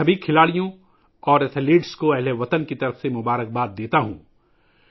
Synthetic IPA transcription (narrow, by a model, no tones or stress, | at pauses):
ɐbʱikʰɪlaːɽijõ | ɔːɾet̪ʰliːɖskoɛɦleʋɐt̪ənkit̪ɐɾəfsemʊbaːɾək̚baːt̪̚d̪eːt̪aɦṵ̃ː